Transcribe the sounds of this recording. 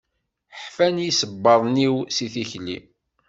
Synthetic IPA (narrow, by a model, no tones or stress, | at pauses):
ħfænjisəbːɑðˤniwsiθiçlḭ